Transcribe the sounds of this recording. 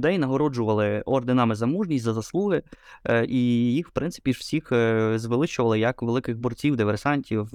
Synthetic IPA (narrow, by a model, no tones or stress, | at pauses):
d̪ɛjnɐɦɔɾɔd͡ʒʊʋɐlˠɪɔrd̪ɪnɑmɪzɐmuʒnʲisʲtʲzɐzɐslˠuɦɪʔijixwpɾɪnsɪ̥pʲiʒw̥sʲixzʋelˠɪt͡ʃʊʋɐlˠɪjɐkʋelˠɪkɪɣbɔrt͡sʲiwd̪ɪʋersɑnʲtʲiw